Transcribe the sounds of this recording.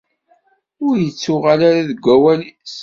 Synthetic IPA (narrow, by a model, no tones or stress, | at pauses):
ʊɾjət͡sːʊʁalaɾaðəɡʷːæwælis